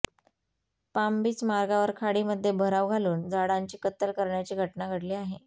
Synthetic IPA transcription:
pambiːt͡smaɾɡaʋəɾkʰaɽiːməd̪ʱːjebʱəɾaʋɡʱaluːnd͡zaɽaɲt͡ɕiːkət̪ːəlkəɾɳjat͡ɕiːɡʱəʈnaɡʱəɽliːaɦe

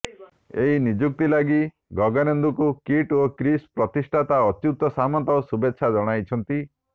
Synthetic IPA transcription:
eɦinid͡ʒuk̚t̪ilaɡi | ɡɔɡanɔnd̪ukukiʈokɾispɾɔt̪isʈʰat̪aɔt͡ʃut̪ɔsamɔnt̪ɔsubetːʃʰad͡ʒɔɽ̃ajt͡ʃʰɔnt̪i

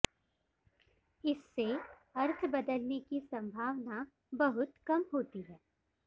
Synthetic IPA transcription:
ɪsːe | ɐɾt̪ʰbɐd̪əlnekisɐ̃mbʱaːʋna | bɐɦʊt̪kɐmɦoːt̪iɦɛː

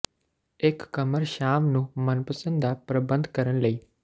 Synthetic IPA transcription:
ekːɐməɾʃaːmnũːmənpəsə̃nd̪apɾəbə̃nd̪kɐɾəɽ̃ləiː

